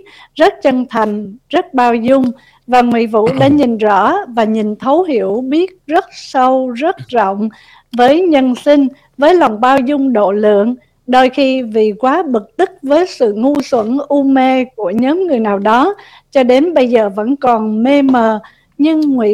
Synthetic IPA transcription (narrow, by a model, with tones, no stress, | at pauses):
zə˦˥t̚t͡ɕə˧nt̪ʰa˨˩jŋ̟zə˦˥t̚ɓaː˧wzʊ˧ŋ͡m | vaː˨˩ŋwḭ˧˨vṵ˧˨ɗa̰ː˧˥ɲi˨˩nzɔ̰˧˥vaː˨˩ɲi˨˩nt̪ʰə˨˦wɦi˧˩əwɓi˦˥ət̚zə˦˥t̚sə˧wzə˦˥t̚zɔ̰˧˨wŋ͡m | vəː˨˦jɲə˧nsi˧ŋ̟ | vəː˨˦jla˨˩wŋ͡mɓaː˧wzʊ˧ŋ͡mɗo̰˧˨lɨ̰˧˨əŋ | ɗo˧jxi˧vi˨˩kwaː˨˦ɓɨ˨˩k̚t̪ɨ˦˥k̚vəː˨˦jsɨ̰˧˨ŋu˧swə˧˩nʔu˧me˧ku˧˩əɲə˨˦ŋɨ˨˩əjnaː˨˩wɗɔ˨˦ | t͡ɕɔ˧ɗe˨˦nɓə˧jzəː˨˩və̰˧˥nkɔ˨˩nme˧məː˨˩ | ɲɨ˧ŋŋwḭ˧˨